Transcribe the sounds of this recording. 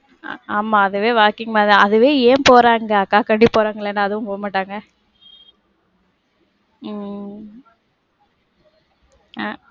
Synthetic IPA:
aːmaːɐðɯʋeːʋaːɾkɪŋɡɐmaːðãɐðɯʋeːeːpoːɾaːŋɡɐɐkːaːkɐɳɖipoːɾaːŋɡɐɪɭɛnːaːðɯʋʊ̃poːmaːʈːaːŋɡɐ | a

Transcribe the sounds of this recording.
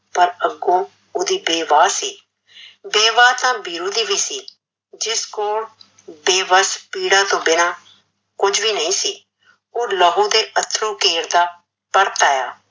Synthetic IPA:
pəɾəɡõː | oːd̪iːbeːʋaːsiː | beːʋaːt̪ãːbiːɾũːd̪iːʋiːsiː | d͡ʒɪskoːɽ | beːʋəspiːɽãːt̪õːbɪnaː | kʊd͡ʒʋiːnəĩːsiː | oːlɔːɦõːd̪eːʔət̪ʰɾũːkeːɾd̪aː | pəɽt̪aːja̰ː

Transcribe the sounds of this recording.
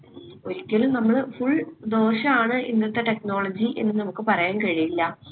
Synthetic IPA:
oɾikʲːɐlnɐmːɐɭfuɭd̪o̞ːrɕɐmaːɳɨʔinːɐt̪ːeʈekno̞ːɭɐd͡ʑiʔe̞̰nːɨnɐmukːɨpɐrɐjaːnkɐɻijilːɐ

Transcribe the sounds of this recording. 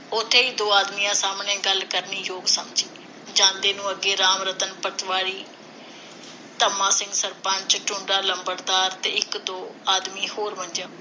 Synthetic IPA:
ʊt̪ʰːeːiːd̪oːaːd̪miːãːsaːmneːɡəlkəɾniːjoːɡsəmd͡ʒiː | d͡ʒãːnd̪eːnũːəɡeːɾaːmɾət̪ənpət̪ʋaːɽiː | t̪əmãːsɪ̃ŋɡsəɾpəɲt͡ʃʈʊɳɖaːləmbəɾd̪aːɾt̪eːɪkd̪oːaːd̪miːhoːɾmənd͡ʒãː

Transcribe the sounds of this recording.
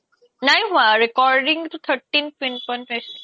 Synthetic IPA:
najɦũãɾekɔɾɖɪ̃ŋt̪ut̪ʰəɾʈːĩnʋĩnpɔ̃nesʈ

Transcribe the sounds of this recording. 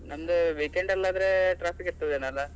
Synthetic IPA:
nɐmɐd̪uʋiːkeɳɖɐlːaːd̪ɾeʈɾaːpʰikiɾt̪ɐʋd̪eːnɐlːɐ

